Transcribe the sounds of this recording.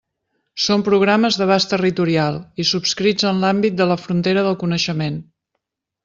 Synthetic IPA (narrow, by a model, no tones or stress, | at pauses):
sompɾuɣ̞ɾaməzðəβ̞ast̪ərit̪uɾialˠisupskɾid͡zənlambit̪̚d̪ələfɾunt̪eɾəðəlˠkunəʃəmen